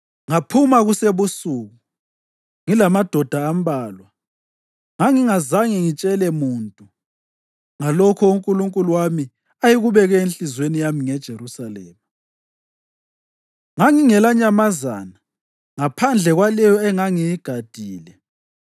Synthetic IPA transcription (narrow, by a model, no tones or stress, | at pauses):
ŋapʰumaɣuseβusuːɣu | ŋilamad̥ʱɔd̥ʱaːmbaːlwa | ŋaŋiŋazaŋiŋit͡ʃʼɛlɛmuːntʼu | ŋalɔkʰɔuŋkʼuluŋkʼuluwami | ajiɣuβɛɣɛenɬʼizwenijamiŋɛd̥ʒ̥ʱeɾusalɛːma | ŋaŋiŋɛlaɲamaza̰ːna | ŋapʰand͡ɮʱɛɣwalɛjɔɛŋaŋijiɡ̥ʱad̥ʱiːlɛ